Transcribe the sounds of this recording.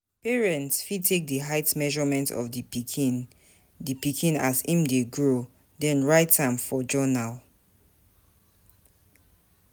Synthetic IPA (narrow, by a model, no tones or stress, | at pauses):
pɛɹɛ̃ntsfidtʰːek̚dəɦaɪtmɛʒɔmɛ̃ntʰɔ̰fdipikʰĩn | dipikʰĩnazĩmdeɡɹo | dɛ̃nɹaɪtãmfɔd͡ʒɔnal